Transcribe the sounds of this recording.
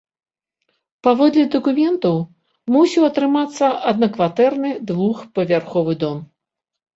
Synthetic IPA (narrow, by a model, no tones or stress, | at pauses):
pavɔd̪lʲɛd̪ɐkumʲɛnt̪ɐw | musʲiwɐt̪ɾɨmat̪sːɐʔɐd̪nɐkvat̪ɛrnɨd̪vuxpɐvʲarxɔvɨd̪ɔm